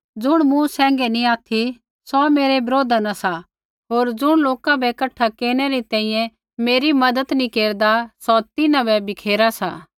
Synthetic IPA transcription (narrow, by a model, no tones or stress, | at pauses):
d͡zʊɽ̃mũsɛ̃ːŋ̆ɡɛnĩaːt̪ʰi | sɔmeːɾebɪɾoːd̪anasa | ɦoːɾd͡zʊɽ̃loːkabɛkɐʈʰːakeːɾɽ̃ɛɾit̪ɛ̃ːĩːjɛ̃ | meːɾimɐd̪ət̪nĩkeːɾd̪asɔt̪ɪnãbɛbɪkʰeːɾasaː